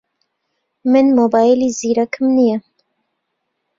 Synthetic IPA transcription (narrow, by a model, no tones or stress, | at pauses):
mɨnmobɑːjiliziːɾakʰɨmnijɛ